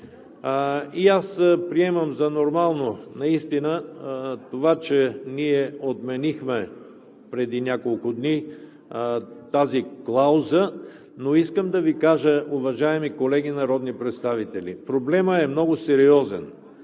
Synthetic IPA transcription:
iaspɾiɛməmzɐnoɾmalˠnonɐist̪inət̪ovat͡ʃɛniɛot̪mɛnixmɛ | pɾɛd̪inʲakolˠkʊd̪ni | t̪aziklˠaʊzə | noiskəmd̪ɐvikaʒəʔʊvɐʒaɛmikolɛɡinɐɾɔd̪nipɾɛt̪st̪avit̪ɛlḭpɾoblɛməɛmnɔɡʊsɛɾiɔzɛn

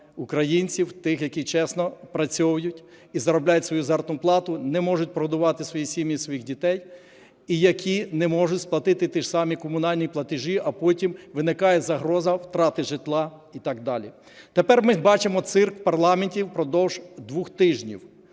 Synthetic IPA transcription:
ukɾɐjinʲt͡sʲiwt̪ɪxjɐkʲit͡ʃɛsnɔpɾɐt͡sʲɔʋɐjʊtʲ | izɐɾɔblʲajʊtʲsʋɔjuzɛrt̪nʊplˠɑt̪ʊnɛmɔʒʊt̚ʲpɾɔd̪ʊʋɑt̪ɪsʋɔjisʲimʲjisʋɔjixdʲit̪ɛj | ijɐkʲinɛmɔʒʊtʲsplˠɐt̪ɪt̪ɪt̪ɪʒsɑmʲikɔmʊnɑlʲnʲiplˠɐt̪ɪʒiʔɐpɔtʲimʋɪnɪkɑjɛzɐɦɾɔzɐwt̪ɾɑt̪ɪʒɪt̪lˠɑ | it̪ɑɡ̚d̪ɑlʲḭ | t̪epɛrmɪbɑt͡ʃɪmɔt̪sɪrkpɐrlˠɑmenʲtʲiwpɾɔd̪ɔwʒ̥d̪ʋuxt̪ɪʒnʲḭw

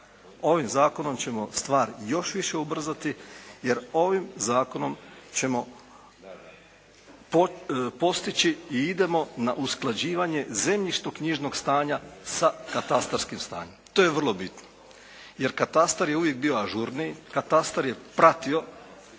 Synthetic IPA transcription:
o̞ʋimzaːko̞no̞mt͡ɕe̞mo̞st̪ʋaːɾjo̞ʃʋiʃe̞ubr̩zat̪ije̞ɾo̞ʋimzaːko̞no̞mt͡ɕe̞mo̞ | ppo̞st̪it͡ɕiiid̪e̞mo̞naʔusklˠad͡ʑiːʋaɲe̞ze̞mʎiʃt̪okɲiʒno̞ɡst̪aːɲasakat̪ast̪aɾskimst̪a̰ːɲe̞mt̪oːjeʋər̩lˠobit̪no | je̞ɾkat̪ast̪aɾje̞uʋjek̚bio̞aʒuɾnikat̪ast̪aɾje̞pɾat̪io̞

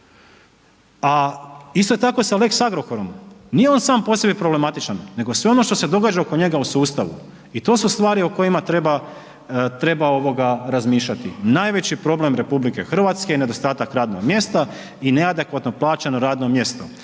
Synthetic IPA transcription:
aist̪o̞jet̪ako̞saleksaɡɾo̞ko̞ɾo̞mnijeo̞nsaːmposebipɾoble̞mat̪it͡ʃanne̞ɡosʋe̞o̞no̞ʃt̪o̞se̞d̪o̞ɡaːd͡ʒaoko̞ɲe̞ɡausuːst̪aʋṵ | it̪o̞ːsust̪ʋaːɾioko̞jimat̪ɾe̞ba | t̪ɾe̞bao̞ʋo̞ɡaɾazmiːʃʎat̪ḭnaːjʋe̞t͡ɕipɾo̞ble̞mɾe̞publike̞̰xr̩ʋaːt̪skeine̞d̪o̞st̪aːt̪akɾaːd̪no̞̰ɡmje̞st̪a | ine̞ad̪e̞kʋat̪no̞plˠaːt͡ɕenoɾaːd̪no̞mje̞st̪o̞̰

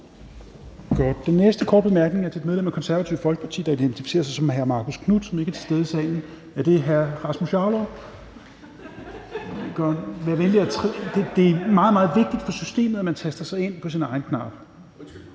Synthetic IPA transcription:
ɡ̥ɒd̥̚d̥enːesd̥əkʰɒːd̥̚b̥e̝mæɐɡ̥ne̝ŋæɐt͡sʰe̝e̝dmeðˠlemækʰɒ̽nsæɐʋæt͡sʰiʊfɒ̽lɡ̥ə̥pʰɑ̈t͡sʰḭːd̥ɑ̈id̥ent͡sʰifi̥se̝̰ːɐsɑ̈ɪsɒ̽mɦæɐmɑ̈ːkʰoskʰnud̥sɒ̽me̝ɡ̥æɐt͡sʰe̝sd̥eð̞ˠisɛːɪn̩ | æd̥e̝ɦæɐʁɑ̈smoɕɑ̈lo | ɡ̥nʋæɐʋenli̥æt͡sʰʁd̥ed̥e̝æmɑ̈ːð̩ˠmɑ̈ːð̞̩ˠʋe̝ɡ̥̚d̥id̥fɒ̽sysd̥e̝̰ːməð̩ˠæmænt͡sʰæsd̥ɐsɑ̈ɪe̝n̰pʰɒ̽sinɑ̈ɪn̩kʰnɑ̈ːb̥

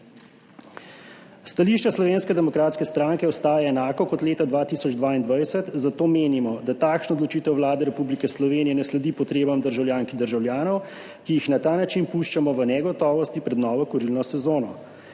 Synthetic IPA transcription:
st̪aliʃt͡ʃɛslɔʋeːnskɛd̪ɛmɔkɾaːt̪skɛst̪ɾaːŋkɛɔst̪aːjaɛnaːkɔkɔt̪leːt̪ad̪ʋaːt̪isɔd͡ʒd̪ʋaːind̪ʋajsɛt̪zat̪oːmeːnimɔd̪at̪aːkʃnɔɔd̪lɔt͡ʃiːt̪ɛwʋlaːd̪ɛɾɛpublikɛslɔʋeːnijɛnɛslɛd̪iːpɔt̪ɾeːbamd̪əɾʒawljaːŋkid̪əɾʒawlʲjaːnɔw | kijixnat̪aːnat͡ʃinpuʃt͡ʃamɔʋənɛɡɔt̪ɔːʋɔst̪ipɾɛd̪nɔːʋɔkɔɾilnɔsɛzoːnɔ

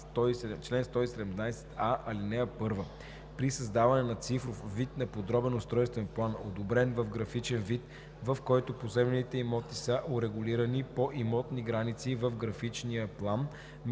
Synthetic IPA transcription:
st̪ɔisɛt͡ʃlɛnst̪ɔisɛd̪ɛmnajsɛ̥t̪ʰaʔɐlinɛəpɤɾvə | pɾisəzd̪avɐnɛnɐt̪sifɾofvit̪nɐpod̪ɾɔbɛnʊst̪ɾɔjst̪vɛnplˠano̰d̪obɾɛnvəfɡɾɐfit͡ʃɛnvit̪ | vɐfkɔjt̪ʊpozɛbɛnit̪ɛimɔt̪isəʔoɾɛɡʊliɾənipoʔimɔt̪niɡɾanit̪sivəfɡɾɐfit͡ʃnijəplˠan | m

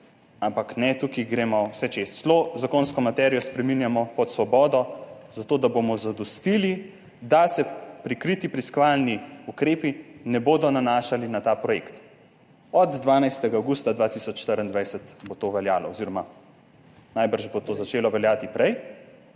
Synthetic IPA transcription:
ampaknɛt̪ukiɡɾeːmɔwsɛt͡ʃesslozakoːnskɔmat̪ɛɾijɔspɾɛminjamɔpɔt̪sʋɔbɔːd̪ɔzat̪oːd̪abomɔzad̪ɔst̪ili | d̪asɛpɾikɾit̪ipɾiskɔʋalniukɾeːpinɛboːd̪ɔnanaːʃalinat̪aːpɾɔjḛkt̪ | ɔd̪ːʋaːnajst̪ɛɡaːwɡust̪ad̪ʋat̪isɔt͡ʃːʃt̪əɾənd̪ʋajsɛt̪bot̪oʋɛljaːlɔ̰ɔziɾɔma | najbəɾʒbot̪oːzat͡ʃeːlɔʋɛljaːt̪ipɾɛj

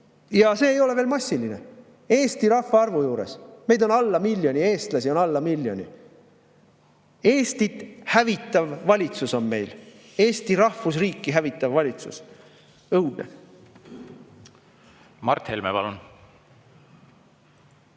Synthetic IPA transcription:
jɑse̞ːjo̞le̞ve̞ːlmɑsʲːiline | e̞ːst̪iɾɑhvɑɑrvujuːɾe̞̰sme̞jd̪o̞nɑlːɑmilʲjo̞nʲie̞ːst̪lɑsio̞nɑlːɑmilʲːjo̞nʲḭ | e̞ːst̪it̪hævit̪ːˑɑvːɑlʲit̪suso̞nme̞jl | e̞ːst̪iɾɑhfus̬riːkˑːiɦævit̪ːˑɑvːɑlʲit̪sṵs | ɤwd̪̥nḛ | mɑ̰rt̪hḛlmḛpɑ̰lun

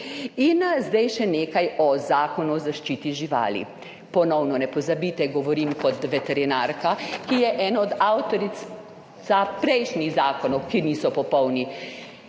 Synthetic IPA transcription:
inzd̪ɛjʃɛneːkajɔzaːkɔnuɔzaʃt͡ʃiːt̪iʒiʋa̰ːlḭ | pɔnɔwnɔnɛpɔzabiːt̪ɛɡɔʋɔɾimkɔt̪ʋɛt̪ɛɾinaːɾkakijɛʔɛːnɔɔd̪awt̪ɔɾis | sapɾɛjʃniɣzaːkɔnɔwkiniːsɔpɔpɔwni

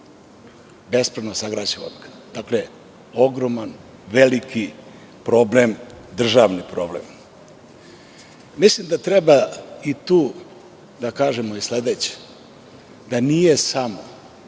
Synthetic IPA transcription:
be̞spɾed̪nosaɡɾat͡ɕeʋa̰nkʰḁ | d̪̥akle | o̞ɡɾoman | ʋeliki | pɾo̞ble̞md̪r̩ʒaʋnipɾo̞̰blḛm | mislimd̪at̪ɾebait̪uː | d̪akaːʒemoisle̞d̪et͡ɕe̥ | d̪anijesamo

